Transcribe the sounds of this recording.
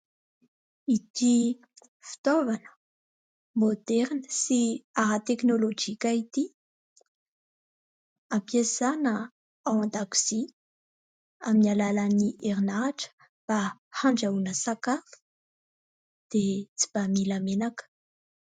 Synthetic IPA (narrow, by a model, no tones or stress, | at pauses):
it̪i | fi̥t̪ovanə̥ | mod̪ɛɾnəsiaɾat̪eknolod͡ʒikait̪i | ampiesanə | awand̪aku̥z̥i | aminalalaniʔeɾinaʈ͡ʂə̥ | b̥ahaɳɖ͡ʐaunəsakafu̥ | d̪̥et͡si̥b̥amilamenakə̥